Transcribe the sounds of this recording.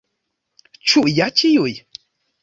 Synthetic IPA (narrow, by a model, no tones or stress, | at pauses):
t͡ʃuʔjat͡ʃijoj